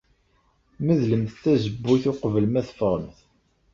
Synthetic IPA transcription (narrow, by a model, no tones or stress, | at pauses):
məðləmθθæzəbːuθʊqəvəlmæθfəʁəmθ